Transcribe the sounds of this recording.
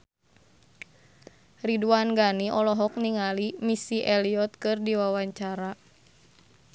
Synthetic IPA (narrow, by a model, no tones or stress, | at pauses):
riduanɡaniʔɔlɔɦɔk̚niŋalimisiʔɛliɔt̪̚kɨrdiwawaɲt͡ʃaɾa